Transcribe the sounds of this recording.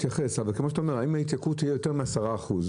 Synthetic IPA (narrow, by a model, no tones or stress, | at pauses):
t̪jaχesavalkemo̞ʃat̪aomeʁaimait̪jakut̪ːijejo̞t̪eʁmeasaʁaːχuz